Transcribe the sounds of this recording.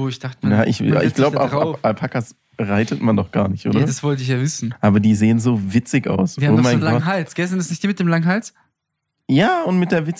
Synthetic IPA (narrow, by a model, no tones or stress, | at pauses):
oːɪçd̥aχtəjaːʔɪ̰ça̰ʔɪ̰çɡ̥laʊbəaʊaʔalpʰhakas | bəʁaɪtətmandɔχɡ̥a̰ːɐnɪçtʔo̰ːdaɐdasv̥ɔltəɪçjaːvɪsn̩ʔaːbɐdiːzeːənzoːvɪt͡sɪçʔa̰ʊsaoːmaɪnlaɦalt͡sɡ̥ɛsɛndasnɪçd̥iːmɪtd̥eːmlaŋəɦalt͡s | jaːʊntmɪt̚d̥eːɐvɪt͡s